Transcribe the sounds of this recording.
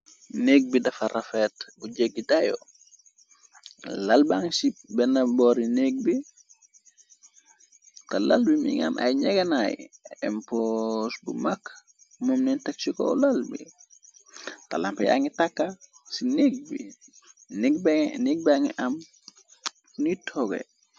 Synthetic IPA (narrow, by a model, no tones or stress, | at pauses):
neɡ̚bidɐfarafɛtbud͡ʒeɡ̚ːidajo̰ | lalbaŋsibɛnɐbɔɾineɡ̚bi | tɐlalbimḭŋa̰nʔa̰jɲɛɡɐnajɛ̰mposbṵmakː | mɔmninteksikɔ̰lalbḭ | talampɐja̰ŋitakːasineɡ̚bi | niɡ̚bniɡ̚baŋiʔɐm | nitʰɔɡḛ